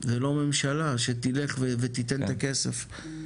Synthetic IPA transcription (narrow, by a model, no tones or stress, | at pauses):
zelo̞me̞mʃalaʃet̪ile̞χvevet̪it̪ent̪akesef